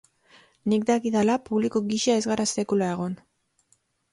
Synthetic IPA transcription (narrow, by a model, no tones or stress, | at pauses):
nik̚d̪akiðalapuβlikoɣiʃaezɣaɾase̞kulaeɣ̞o̞n